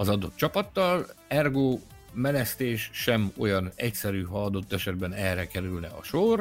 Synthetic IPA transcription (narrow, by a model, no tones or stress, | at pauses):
ɒzɒd̪o̞t̪̚t͡ʃɒpɒt̪ːɒlɛrɡoː | mɛnɛst̪eːʃʃɛmo̞̰jɒnɛcsɛɾyːɦɒɒd̪o̞t̪ːɛʃɛd̪̚bɛnɛrɛkɛɾylnɛɒ̰ʃor